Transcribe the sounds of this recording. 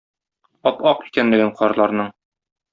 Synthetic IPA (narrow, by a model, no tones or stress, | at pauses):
ɒpɒqi̥kænlɘ̆ɡɘɴqʰɒɾlˠɑɾnɤɴ